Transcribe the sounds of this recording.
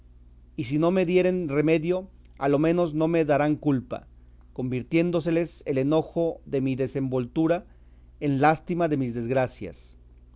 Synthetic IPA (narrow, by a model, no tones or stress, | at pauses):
is̬ino̞me̞ðje̞ɾe̞nre̞me̞ðjo̞ | alo̞mẽ̞no̞zno̞me̞ðaɾaŋkulpa̰ | ko̞mbiɾt̪je̞nd̪o̞s̬e̞le̞sele̞no̞xo̞ðe̞miðe̞se̞mbo̞lt̪uɾa | e̞nlast̪imaðe̞mizðe̞zɣɾasja̰s